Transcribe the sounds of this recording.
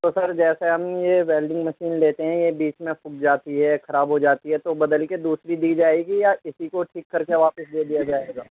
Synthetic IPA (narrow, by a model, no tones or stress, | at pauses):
t̪oːsɐɾd͡ʒɛːseɦɐmjeʋɛːlɖɪ̃ŋɡmɐʃiːnleːt̪eɦɛ̃jebiːt͡ʃmẽfʊkd͡ʒaːt̪iɦɛːxɐɾaːbɦod͡ʒaːt̪iɦɛt̪obɐd̪əlked̪uːsɾid̪iːd͡ʒaːeːɡijaɪsikoʈʰiːkːɐɾkeʋaːpəsd̪eːd̪ijad͡ʒaːeːɡaː